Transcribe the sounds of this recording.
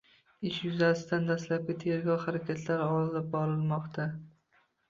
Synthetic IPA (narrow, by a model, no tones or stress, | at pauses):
ɪʃjʊzasɪd̪and̪aslap̚ɡʲɪt̪ʰe̞ɾɡʲɒwχaɾakʲʰat̪ʰlaɾɪɒlɪlɪp̚bɒɾɪlˠmɒqt̪ʰa